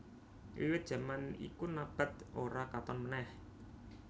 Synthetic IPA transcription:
ʔiwɪt̪̚dʒ̥a̤manḭkunab̥a̤t̪̚ʔoɾakat̪ɔnmənɛh

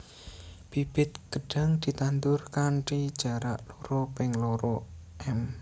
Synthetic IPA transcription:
b̥ib̥ɪ̤t̪̚ɡ̥ə̤ɖ̥a̤ŋd̪̥i̤t̪ant̪ʊrkanʈid̥ʒ̥a̤ɾaʔloɾɔpɪŋloɾɔʔɛm

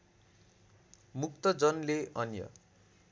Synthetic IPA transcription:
muk̚t̪ʌd͡zʌnleʌnjʌ̰

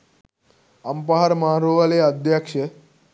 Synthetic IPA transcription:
əmpaɦaɾmaɾoʋaleəd̪ʱjakʂə

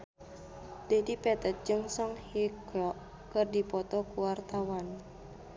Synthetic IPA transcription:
d̥edipɛt̪ət̪̚d͡ʒəŋsɔŋhiɡɔʔ | kərdipɔt̪ɔkuwart̪awan

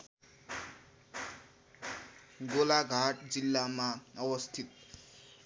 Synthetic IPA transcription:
ɡolaɡʱaʈd͡zilːamaʌwʌst̪ʰit̪̚

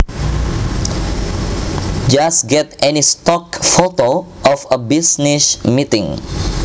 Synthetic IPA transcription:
d͡ʒasɡɛtɛnistɔkfoto | ʔɔfəbisnismitĩŋ

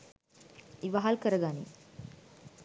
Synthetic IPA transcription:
iʋaɦalkəɾəɡani

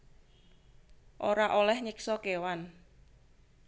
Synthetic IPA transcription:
ʔoɾaʔolɛhɲɪksɔkewan

